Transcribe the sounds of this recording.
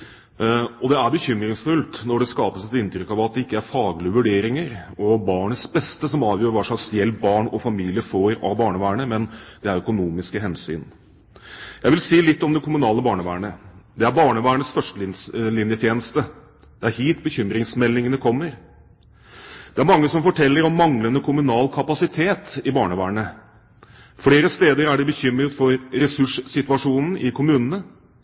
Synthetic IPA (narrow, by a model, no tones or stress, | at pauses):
ɔd̪ɛæɾbəçʏmɾɪŋsfʉlt̪nɔɖɛskɑːpəsɛt̪ɪnt̪ɾʏkːɑʋɑt̪̚d̪ɛɪkːəæɾfɑːɡlɪəʋʉɖeːɾɪŋəɾɔbɑːɳət̪sbɛst̪əsɔmɑːʋjøːɾʋæːʂlɑksjɛlbɑːɳɔfɑmiːlɪəfoːɾɑ̰ʋbɑːɳəʋæːəɳəmɛnd̪̥ɛæɾœkʊnuːmɪskəɦɛnsy̰ːn | jæɪʋɪlsiːlɪt̪ːɔmd̪ɛkʰʊmʉnɑːləbɑːɳəʋæːəɳəd̪ɛæɾbɑːɳəʋæːəɳəsfœʂʈəlɪnjət̪ʰjeːnəst̪ə | d̪̥ɛæɾhiːt̪bəçʏmɾɪŋsmɛlːɪŋənəkʰɔmːəɾ | d̪̥ɛæɾmɑŋːəsɔmfɔʈʰɛlːəɾɔmːɑŋlənd̪əkʰʊmʉnɑːlkʰɑpɑsɪt̪ʰeːt̪ɪbɑːɳəʋæːəɳə | fɽeːɾəst̪eːd̪əɾæɖɛbəçʏmɾət̪fɔɾɾɛsʉʂsɪt̪ʉɑʂuːnn̩ʔɪkʰʊmʉːnən̩ə